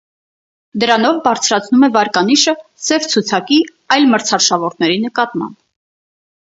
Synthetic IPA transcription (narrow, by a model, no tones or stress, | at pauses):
d̪əɾɑnɔvbɑɾt͡sʰɾɑt͡sʰnumɛvɑɾkɑniʃəsɛvt͡sʰut͡sʰɑki | ɑjlməɾt͡sʰɑrʃɑvɔɾt̪ʰnɛɾinəkɑt̪mɑ̰mb̥